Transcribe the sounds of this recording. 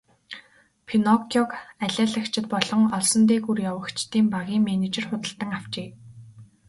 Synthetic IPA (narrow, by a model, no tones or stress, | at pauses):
pʰinɔkʰɔkæɮʲaːɮə̆kt͡ɕʰɪ̆t̪̚pɔɮɞ̆ŋɔɮsɞ̆nt̪̬eːkurjawə̆kt͡ɕʰt̪iːmpaɣʲiːŋmenet͡ɕĕrχʊt̪ə̆ɬt̪ə̆ŋaw̥t͡ɕeː